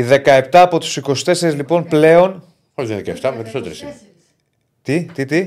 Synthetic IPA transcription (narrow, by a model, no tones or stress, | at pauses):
iðe̞kɐep̚t̪ɐːpo̞t̪u̥siko̞si̥t̪e̞seɾizlipo̞nple̞o̞n | ozðinðekɐeft̪ɐmeɾisot̪eɾesi | t̪it̪it̪i